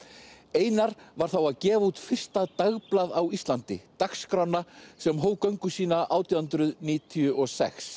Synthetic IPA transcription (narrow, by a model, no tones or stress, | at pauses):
eːjnaɾvaɾ̥θawaðcɛːvaut̪fɪr̥st̪at̪aɣplaðawist̪lant̪ɪt̪akskɾawnːasɛmɦoːwkœɥŋkʏsiːnaʔaːwt̪ʰiahʏnt̪ɾʏðniːt̪ʰiʏʔɔsɛ̰xs